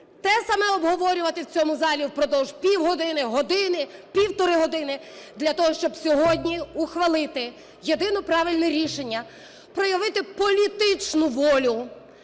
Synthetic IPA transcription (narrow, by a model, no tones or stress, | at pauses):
t̪ɛsɐmɛɔbɦɔʋɔɾʲʊʋɐt̪ɪwt͡sʲɔmʊzɑlʲiwpɾɔd̪ɔwʒ̥pʲiwɦɔd̪ɪnɪɦɔd̪ɪnɪpʲiwt̪ɔɾɪɦɔd̪ɪnɪd̪lʲɐt̪ɔɦɔʃt͡ʃɔbsʲɔɦɔdʲnʲiuxʋɐlˠɪt̪ɪ | jed̪ɪnɔpɾɑʋʲɪlʲnɛɾʲiʃenʲːɐ | pɾɔjɐʋɪt̪ɪpɔlʲit̪ɪt͡ʃnʊʋɔlʲʊ